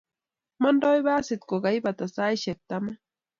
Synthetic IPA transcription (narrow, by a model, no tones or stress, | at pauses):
mandajbasɪt̪koɢajbat̪asajʃek̚t̪ama